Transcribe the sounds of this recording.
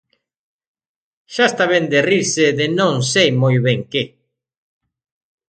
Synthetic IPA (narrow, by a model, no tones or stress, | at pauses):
ʃast̪aβend̪eriɾseðɪnõŋsejmojβeŋke